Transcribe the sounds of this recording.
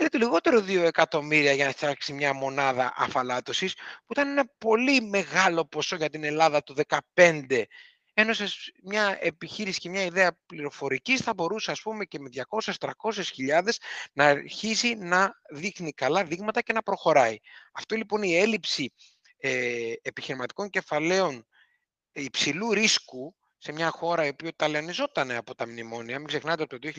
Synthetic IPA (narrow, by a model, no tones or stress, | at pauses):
elet̪oliɣo̞t̪e̞ɾo̞ðio̞e̞kɐt̪o̞miɾiɐʝɐnɐfɐksimɲɐmo̞nɐðɐ̰ʔɐ̰fɐlɐt̪o̞sispuit̪ɐne̞nɐpo̞lime̞ɣɐlo̞po̞so̞ʝɐt̪ine̞lɐðɐt̪uðe̞kɐpe̞nd̪e̞ | e̞no̞sesmɲɐe̞piçiɾisi̥ce̞mɲɐiðe̞ɐpliɾo̞fo̞ɾicisθɐbo̞ɾuseɐspume̞ce̞me̞ðʝɐko̞sest̪ɾɐko̞s̬e̞sçiʎɐðe̞znɐːɾçisinɐðixnikɐlɐðiɣmɐt̪ɐce̞nɐpɾo̞xo̞ɾɐiɐft̪o̞lipo̞nie̞lipsi | epiçiɾimɐt̪i̥ko̞ɲce̞fɐle̞o̞n | ipsiluɾisku | se̞mɲɐxo̞ɾɐiopiot̪ɐleonizo̞t̪ɐne̞ɐpo̞t̪ɐmnimo̞niɐmiɡze̞xnɐnt̪eopt̪oðioçi